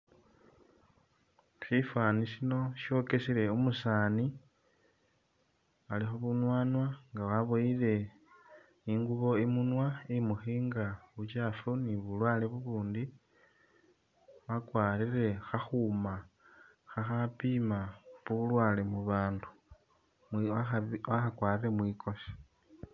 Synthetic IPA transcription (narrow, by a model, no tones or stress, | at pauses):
sifwaːnisino̞ʃjo̞ke̞siɾe̞umusaːni | alixo̞βunwaːnwaŋɡawaβojile̞ | iŋɡuβo̞imunwaemuxiːŋɡaβut͡ʃaːfuniβulwaːleβuβuːndi | wakwaːɾirexaxuma | xaxapimaβulwaːlemuβaːndu | awaxakwaːrire̞mwiːkʰo̞si̥